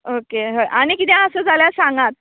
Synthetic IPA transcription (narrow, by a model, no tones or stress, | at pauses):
okeɦəjʔaɽ̃ikit̪̬ãəsəd͡zʱaljasãŋɡat̪̚